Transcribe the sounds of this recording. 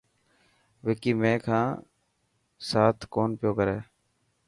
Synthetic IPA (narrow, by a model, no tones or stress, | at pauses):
ʋekiːmẽːkʰãː | saːt̪ʰkoːnpɪjoːkəɾeː